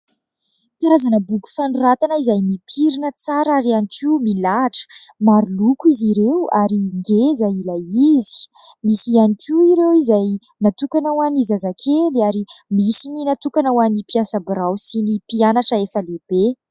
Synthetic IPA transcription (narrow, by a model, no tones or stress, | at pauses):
k̪aɾazanəbuku̥fanurat̪anəizajmipʰiɾinət͡saɾaɾianikimilaʈ͡ʂə̥maɾulukiziɾewa̰ɾiŋɡezailaizi̥misianikuiɾewizaj | nat̪ukanawanizazakʰeliaɾimisininat̪ukanawanipiasəbiɾawsinipianaʈ͡ʂəefəleb̥e